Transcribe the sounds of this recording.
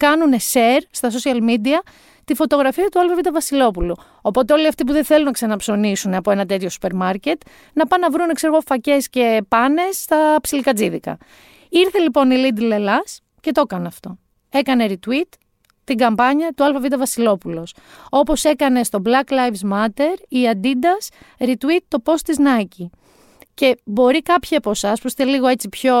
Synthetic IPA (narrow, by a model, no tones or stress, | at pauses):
kɐnuneseɾst̪ɐs̬o̞siɐlmid̪iɐ | t̪ifo̞t̪o̞ɣɾɐfiɐt̪uɐlfɐvid̪ɐvɐsilo̞pulu | opo̞t̪eoliɐft̪ip̬uðeθe̞lunɐksɐnɐpso̞nisuneɐpo̞e̞nɐt̪e̞t̪ço̞su̥pe̞ɾmɐɾce̞t̪ | nɐpɐnɐvɾune̞kseɾɣo̞fɐce̞sce̞pɐne̞sːt̪ɐpsilikɐd͡ziðikɐ̰ | iɾθe̞lipo̞nilid̪le̞lɐs | ce̞t̪o̞kɐneɐft̪o̞ | e̞kɐne̞ɾit̪wit̪ː | iŋɡɐmpɐɲɐt̪uɐlfɐvid̪ɐvɐsilo̞pulo̞s | o̞po̞se̞kɐne̞st̪o̞blɐklɐjvzmɐt̪e̞ɾiɐnd̪id̪ɐs | ɾit̪wit̪ːo̞po̞st̪iznɐci | ce̞bo̞ɾikɐpçiɐpo̞sɐspusi̥t̪eliɣo̞e̞t͡sipço̞